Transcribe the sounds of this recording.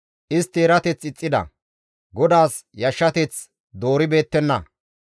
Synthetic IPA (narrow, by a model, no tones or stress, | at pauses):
ʔɪst̪eːɾɐt̪ɛt͡sɪt͡sʼːɪd̪ɐ̰ | ɡɔd̪aːsjɐʃːɐt̪ɛt͡s | d̪o̞ːɾɪbe̞ːt̪ːɛnːɐ